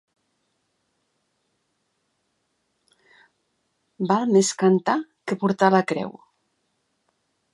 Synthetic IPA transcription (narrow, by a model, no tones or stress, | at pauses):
balmeskant̪akəpuɾt̪alakɾɛ̰w